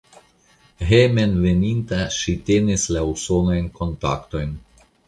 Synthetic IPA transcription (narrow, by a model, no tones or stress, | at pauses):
ɦeme̞nve̞nintaʃite̞nislauso̞nojnko̞nta̰kto̞jn